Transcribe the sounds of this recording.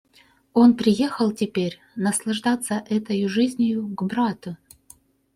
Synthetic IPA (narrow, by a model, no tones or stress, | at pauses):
onpɾʲɪjexəlˠtʲɪpʲeɾʲ | nɐslˠɐʐd̪at̪sːəʔɛt̪əjʊʐɨzʲnʲɪjʊɡbɾat̪ʊ